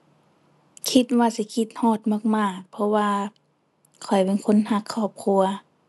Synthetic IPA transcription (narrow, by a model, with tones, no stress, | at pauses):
kʰi˧t̪̚waː˧si˧˦kʰi˧t̪̚hɔː˧˩t̪̚mɔ˧˥˨k̚maː˧˩pʰɔ˧waː˧ | kʰɔ˨˩jpe˧˦nkʰo˧˥˨nha˧kʰːɔː˧˩p̚kʰu˧ɐ